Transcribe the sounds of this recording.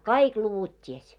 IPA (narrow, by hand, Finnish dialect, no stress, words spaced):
kɑik luʋut tʲies